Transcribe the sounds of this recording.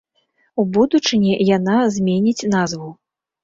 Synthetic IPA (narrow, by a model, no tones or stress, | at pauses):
ubud̪ut͡ʂɨnʲɛjanazʲmʲenʲit͡sʲnazvu